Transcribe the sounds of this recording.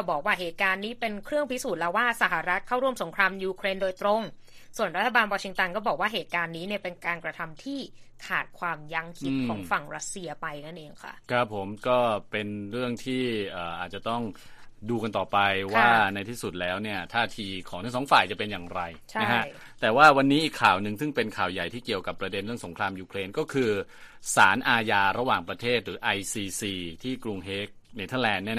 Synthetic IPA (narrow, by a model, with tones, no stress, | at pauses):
kɔː˥˩bɔː˨˩k̚waː˥˩ɦeː˨˩t̪̚kaː˧nːiː˦˥pe˧nkʰɾɯ˥˩əŋpʰi˦˥suː˨˩t̪̚lɛ˦˥waː˥˩sa˨˧˩ɦa˧˩ɾa˦˥t̪̚kʰa˥˩wɾu˥˩əmso˩˦ŋkʰɾaː˧mjuː˧kʰɾeː˧ndoː˧jt̪ɾo˧ŋ | su˨˩ənɾa˦˥t̪ʰːa˧baː˧nwɔː˧t͡ɕʰi˧ŋt̪a˧nkɔː˥˩bɔː˨˩k̚waː˥˩ɦeː˨˩t̪̚kaː˧nːiː˦˥ni˥˩ɐpe˧nkaː˧nkɾa˧t̪ʰa˧mt̪ʰiː˥˩k̪ʰaː˨˩t̪̚kʰwaː˧mja˧ŋkʰi˦˥t̪̚ːkʰɔː˩˦ŋfa˨˩ŋɾa˦˥t̪̚si˧ɐpa˧jna˥˩nʔeː˧ŋkʰa̰˥˩kʰɾa˦˥pʰːo˩˦mkɔː˥˩pe˧nɾɯ˥˩əŋt̪ʰiː˥˩ʔɤː˨˩ʔaː˨˩t̪̚t͡ɕa˨˩t̪ɔ˥˩ŋ | duː˧ka˧nt̪ɔː˨˩pa˧jwaː˥˩na˧jt̪ʰiː˥˩su˨˩t̪̚lɛː˦˥wni˥˩ɐt̪ʰaː˥˩t̪ʰiː˧kʰɔː˩˦ŋt̪a˥˩ŋsɔː˩˦ŋfaː˨˩jt͡ɕa˨˩pe˧njaː˨˩ŋɾa˧jt͡ɕa˦˥kʰa˦˥ʔ | t̪ɛː˨˩waː˥˩wa˧nːiː˦˥ʔiː˨˩kʰːaː˨˩wnɯ˨ŋsɯ˥˩ŋpe˧nkʰaː˨˩wja˨˩jt̪ʰiː˥˩ki˨˩əwka˨˩pːɾa˧de˧nɾɯ˥˩əŋso˩˦ŋkʰɾaː˧mjuː˧kʰɾeː˧nkɔː˥˩kʰɯː˧saː˩˦nʔaː˧jaː˧ɾa˧waː˨˩ŋpɾa˧t̪ʰeː˥˩t̪̚ɾɯː˩˦˥ʔa˧jsiː˧siː˧t̪ʰiː˥˩kɾu˧ŋɦeː˦˥k̚neː˧˩t̪ʰə˥˩lɛː˧nːi˥˩